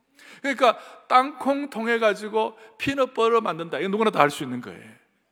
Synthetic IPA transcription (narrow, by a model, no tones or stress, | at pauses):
kɯɲik͈at͈aŋkʰoŋtʰoŋɦe̞ɡad͡ʑiɡopʰinʌp͈ʌɾomandɯndaiɡʌnːuɡunataɦaɭs͈uinːɯnɡʌ̰ḛ